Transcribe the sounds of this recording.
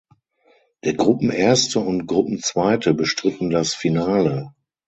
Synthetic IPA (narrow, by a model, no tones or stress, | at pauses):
d̥eːɐɡʁʊpm̩ʔeːɐstəʊntɡ̥ʁʊpm̩t͡sv̥aɪtʰəbəʃtʁ̥ɪtn̩dasfinaːlə